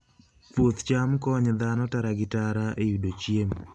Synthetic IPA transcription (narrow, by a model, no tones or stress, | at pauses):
pwot̪t͡ʃamkɔɲd̪anɔtaɾaɡɪtaɾaʔejudot͡ʃjem